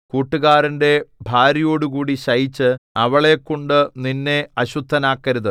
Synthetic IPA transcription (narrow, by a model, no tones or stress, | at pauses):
kuːʈːuɣaːɾɐnde̞bʱaːɾijo̞ːɽukuːɽiɕɐjit͡ɕːɨɐʋɐɭe̞kːoɳɖɨninːe̞ɐɕud̪ʱːɐnaːkːɐɾuðɨ